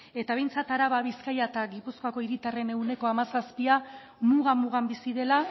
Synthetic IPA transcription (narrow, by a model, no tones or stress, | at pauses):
e̞t̪aβ̞e̞jnt͡sat̪aɾaβaβiskajat̪aɣipuskoako̞iɾit̪are̞ne̞ɣune̞ko̞amasaspia | muɣamuɣ̞ambisiðe̞la